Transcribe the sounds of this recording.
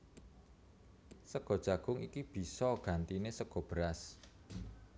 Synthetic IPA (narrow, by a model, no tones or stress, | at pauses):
səɡ̥ɔ̤d̥ʒ̥ä̤ɡ̥ʊŋikib̥i̤sɔɡ̥ä̤nt̪inesəɡ̥ɔ̤b̥əɾas